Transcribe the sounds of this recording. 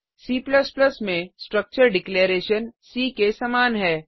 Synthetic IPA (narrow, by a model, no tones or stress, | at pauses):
siːplɐsplɐsmẽsʈɾək̚t͡ʃəɾɖɪkleːɾeːʃənsiːkesɐmaːnɦɛː